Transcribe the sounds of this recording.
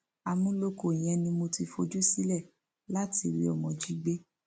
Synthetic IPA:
a˧mũ˦lo˦ko˨j̃ɛ̃˨˦nĩ˧mo˧ti˧fo˧d͡ʒu˦si˦lɛ˦˨ | la˦ti˧˨ɾḭ˦ɔ˨mɔ̃˨d͡ʒi˦ɡ͡be˦

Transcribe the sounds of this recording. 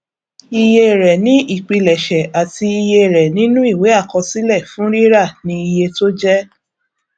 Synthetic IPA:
i˦˧je˧˨ɾɛ˨nĩ˨˦ʔi˦˨k͡pi˧lɛ˨ʃɛ˨a˨ti˧i˧je˧˨ɾɛ˨nĩ˨˦nũ˦i˦˨we˨˦a˦˨kɔ˧si˦lɛ˦˨fũ˨˦ɾi˦ɾa˦˨nĩ˧˦i˧je˧to˦d͡ʒɛ˦

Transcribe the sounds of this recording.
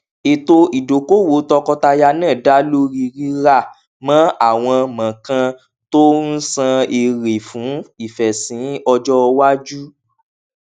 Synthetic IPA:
e˨to˧i˨do˨ko˦˨wo˨˦tɔ˧kɔ˧ta˧ja˧nãː˦˨da˨˦lo˦ɾi˧ɾi˦ɾa˦˨ | mã˨˦a˦˨w̃ɔ̃˧mã˨kã˧ | to˦n̩˦sã˧e˧ɾe˨fũ˨˦i˨fɛ˨sĩ˨˦ɔ˧d͡ʒɔ˦˧wa˦d͡ʒu˦

